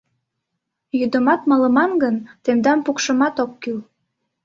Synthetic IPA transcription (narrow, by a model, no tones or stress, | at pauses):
jyd̪əmɑt̪mɑlə̆mɑnɡənt̪end̪ɑmpukʃəmɑt̪okːyl